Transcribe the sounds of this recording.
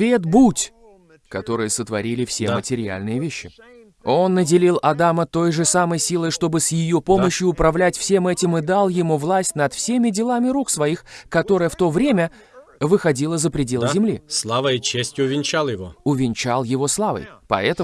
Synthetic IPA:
vʲet̪butʲ | kɐt̪o̞ɾɨjəsət̪vɐɾʲilʲɪfsʲemətʲɪɾʲɪa̰lʲnɨjəvʲeɕːɪ | o̞nːədʲɪlʲilˠɐd̪amət̪o̞jʐɨsaməjsʲilˠəjʂt̪o̞bɨsjɪjo̞po̞məɕjʊʊpɾɐvlʲætʲfsʲe̞mɛtʲɪmɨd̪alˠjɪmuvlˠasʲtʲnɐt̪fsʲemʲɪdʲɪlˠamʲɪɾuksvɐixkɐt̪o̞ɾɨjəft̪o̞vɾʲemʲə | vɨxɐdʲilˠəzəpɾʲɪdʲe̞lˠzʲɪmlʲḭslˠavəit͡ɕesʲtʲjʊʊvʲɪnʲt͡ɕalˠjɪvo̰ʊvʲɪnʲt͡ɕalˠjɪvo̞slˠavə̰jpɐ̰ɛt̪ə

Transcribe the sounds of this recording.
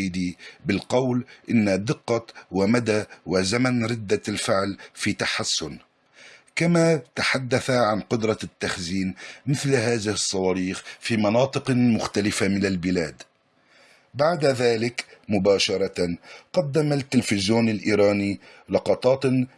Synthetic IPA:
d̪ibɪlqɑwlʔɪnːad̪ɪqːɑwamad̪awɪzamanɾɪd̪ːalfɪʕlfiːt̪aħasːʊn | kamat̪aħad̪ːaθaʕanqʊd̪ɾˤɑt̪ːaxziːnmɪθlɦaːðɪhɨsˤːɑwɑːɾiːxfiːmɑnɑːt̪ˤɨqmʊxt̪alɪfamɪnalbɪlaːd̪ | baʕd̪aðaːlɪkmʊbaːʃɑɾˤɑt̪aqɑd̪ːamalt̪ːɪlfɪzjoːnɪlʔiːɾɑːni | lɑqɑt̪ˤɑːt̪

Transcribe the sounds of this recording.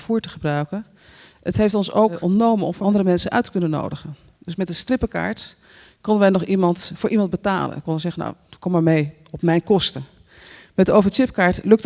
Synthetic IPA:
fuːɹtəχəbrœɥkən | ətɦejftɔnso̰wkɔ̰ntnowmənɔmfɑndəɾəmɛnsənʔœ̰ɥtə̥kɵnəno̰wdəχən | dɵsmɛtdəstrɪpəka̰ːɹt | kɔndəʋɛjnɔχimɑntfʊːɹʔimɑnd̚bəta̰ːlə̰nkɔnənsɛχəna̰wkɔmaːɹmej | ɔpmɛjnkɔstə | mɛtdəowvət͡ʃɪpkaːɹtlɵk̚t

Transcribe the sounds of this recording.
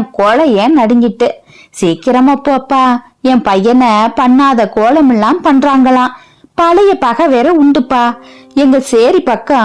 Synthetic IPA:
koːlɐeːnɐɽɪŋɡɪʈːɯ | siːkːɪɾɐmɐpːoːɐpːaː | ɛ̃mpɐjːɐnɐpɐɳːaːðɐkoːlɐmɛlːaːmpɐɳɾaːŋɡɐɭãː | pɐlɐjɐpɐɣɐʋeːɾɐʊɳɖɯpːaːɛŋɡɐseːɾipɐkːɐ̃

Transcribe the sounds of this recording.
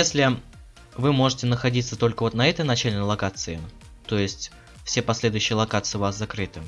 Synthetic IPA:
jesʲlʲɪ | vɨmo̞ʐɨtʲɪnəxɐdʲit̪sət̪o̞lʲkəvo̞t̪nɐɛt̪əjnɐt͡ɕælʲɪnəlˠɐkat̪sɨɪ | t̪o̞jɪsʲtʲ | fsʲepɐsʲlʲe̞d̪ʊjʉɕːɪjəlˠɐkat̪sɨɪvaszɐkɾɨt̪ɨ

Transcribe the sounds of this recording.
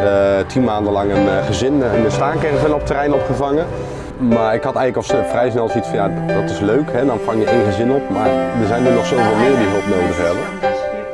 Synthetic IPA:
ətʰinmaːndəlɑŋənχəzɪnnənstaːŋkɪrɪsʋɛlɔp̚tərɛjnɔpχəvɑŋə | maːɹɪkhɑtɛjənləkɔlˠsfrɛjs̬nɛlˠsitfɑnjadɑtɪsløɥkɦɛdɑnfɑŋjəenχəzɪnɔpmaːɹdəzɛjnynɔχsoːlˠvɪːlˠmɪːɹdiɦɵlˠpnowdəχəɛbə

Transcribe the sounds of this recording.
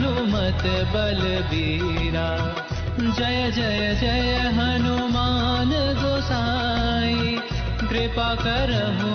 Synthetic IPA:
numɐt̪bɐl | bi | ɾa | d͡ʒɐjəd͡ʒɐjəd͡ʒɐjəɦɐnumaːnɡoːsaː | i | ɡɾepakɐɾəmu

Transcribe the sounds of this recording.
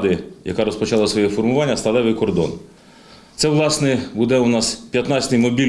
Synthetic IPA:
d̪ɪjɐ̰kɑɾɔspɔt͡ʃɑlˠɐsʋɔjɛfɔrmʊʋɑnʲːɐst̪ɐlˠɛʋɪjkɔrd̪ɔ̰n | t̪sɛʋlˠɑsnɛbud̪ɛʊnɑspʲjɐt̪nɑt͡sʲsʲt̪ɪjmɔbʲi

